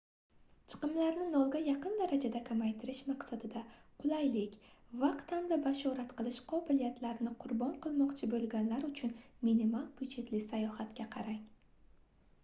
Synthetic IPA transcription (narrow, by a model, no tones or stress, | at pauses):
t͡ʃʰɨ̥qɨmlaɾnɪnɒlˠɡʲajɑqɨnd̪aɾad͡ʒad̪akʰamajt̪ʰɪɾɪʃmaqsad̪ɪd̪aqʰʊlˠajlɪkʲvaqt̪hamd̪abaʃɒɾat̪qʰɨlˠɪʃqʰɒbɪlijat̪ʰlaɾnɪqʰʊɾbɒɴqɨlˠmɒqt͡ʃʰɪbolˠɡʲanlaɾʊt͡ʃʰʊnminimalˠbʊd͡ʒe̞t̪lɪsajɒhat̪kʲaqʰɑɾaŋ